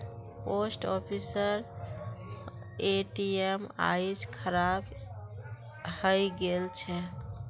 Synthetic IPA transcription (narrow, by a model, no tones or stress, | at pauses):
posʈɔpʰisəɾ | eʈiema̰jd͡ʒkʰəɾab | həjɡelt͡ʃʰɛ